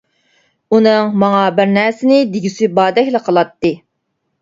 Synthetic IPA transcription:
unɨŋmɑŋɑbɪɾnæɾsɪnɪd̪iɡʲisybɑːd̪ɛkʲlˠəqʰəlˠɑt̪ːɨ

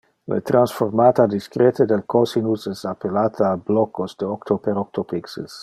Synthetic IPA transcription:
lḛt̪ɾansfoɾmaːt̪ad̪iskɾet̪ed̪elkɔsinusɛsapelaːt̪ʰaːblɔkosd̪eokt̪opeɾok̚t̪opiksḛs

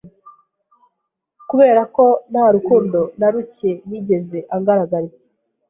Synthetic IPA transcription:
kuβeːɾako̞nhaːɾukuːndo̞naɾuce̞niɟe̞ze̞ʔaŋɡaɾaɡaɾe

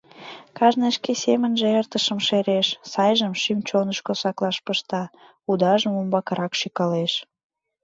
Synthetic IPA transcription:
kɑʒneʃkesemənʒeert̪əʃəmʃeɾeʃsɑjʒəmʃymt͡ɕonəʃkosɑklɑʃpəʃt̪ɑ | ud̪ɑʒəmumbɑkɑɾɑkʃykɑleʃ

